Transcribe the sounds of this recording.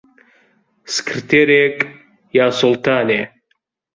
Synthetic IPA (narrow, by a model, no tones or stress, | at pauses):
skʰrɨt̪ʰeɾekʼ | jaːsɔlt̪ʰaːne